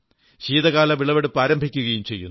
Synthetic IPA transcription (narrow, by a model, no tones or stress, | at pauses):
ɕiːðɐɣaːlɐʋiɭɐʋeɽupːaːɾɐmbʱikʲːuɣɐjumt͡ɕe̞jːṵnː